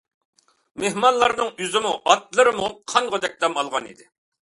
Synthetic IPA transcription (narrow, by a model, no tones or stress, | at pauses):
mehmɑnlˠɑɾnɨŋyzɪmuʔɑt̪̚lˠɨɾɨmuqʰɑŋʁəd̪ɛk̚ʲd̪ɛmɑlˠʁɑnḭd̪ɪ